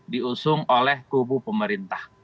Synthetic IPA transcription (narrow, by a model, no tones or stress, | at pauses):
diusʊŋolɛhkubupəməɾint̪ah